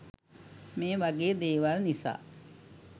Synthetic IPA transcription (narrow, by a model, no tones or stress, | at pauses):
meːʋaɡeːd̪eːʋalnisa̰ː